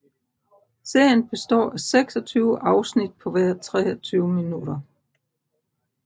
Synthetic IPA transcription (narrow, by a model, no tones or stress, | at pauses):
se̝ɐ̰jənb̥e̝sd̥ɒ̰ːʔæseɡ̥sɒt͡sʰyːʊəʔɑ̈ʊsnid̥̚pʰɒ̽ʋæɐ̰t͡sʰʁɛːɒt͡sʰyːʊminud̥ɐ